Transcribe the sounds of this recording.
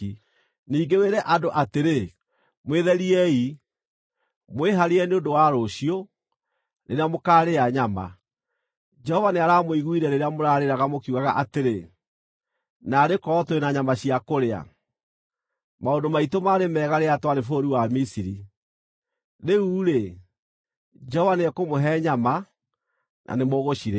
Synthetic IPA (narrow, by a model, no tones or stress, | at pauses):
niːɡeweɾɛʔadoʔateɾe | mweðɛɾiɛi | mweɦaɾeɛneondowaɾoɕio | neɾeamokaːɾeaɲama̰ | d͡ʒɛhɔvaneaɾamoiɣwiɾɛneɾeamoɾaɾeɾaɣamokiuɣaɣa̰ʔateɾe | naːɾekɔːtwenaɲamaɕiakoɾea̰ | maondomaitomaːɾemɛːɣaɾeatwaɾefoːɾiwamisiɾi | neuːɾe | d͡ʒɛhɔvaneɛkomoɦɛɲama | nʔa̰nemoɣoɕiɾe